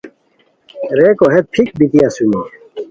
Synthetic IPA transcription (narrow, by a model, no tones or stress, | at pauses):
ɾeːkoɦet̪̚pʰik̚bit̪ijasumi